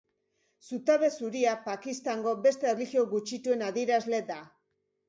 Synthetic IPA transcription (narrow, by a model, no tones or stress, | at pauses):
sut̪aβe̞suɾiapakist̪aŋɡo̞be̞st̪e̞rlixioɣut͡ʃit̪ue̞naðieɾazle̞d̪a